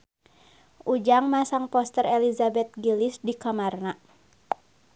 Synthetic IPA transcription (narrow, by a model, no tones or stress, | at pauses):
ʔud͡ʒaŋmasaŋpɔst̪ərɛlizabɛt̪̚ɡilisdikamarna